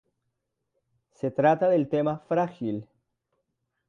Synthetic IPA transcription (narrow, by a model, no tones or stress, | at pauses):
set̪ɾat̪aðelt̪emafɾaxil